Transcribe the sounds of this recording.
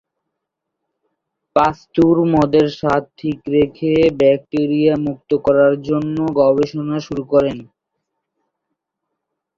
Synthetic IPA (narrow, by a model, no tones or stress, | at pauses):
past̪uɾmɔd̪eɾʃat̪tʰːikɾekʰebɛk̚ʈeɾijamuk̚t̪okɔɾaɾd͡ʑonːoɡɔbeʃonaʃuɾukɔɾen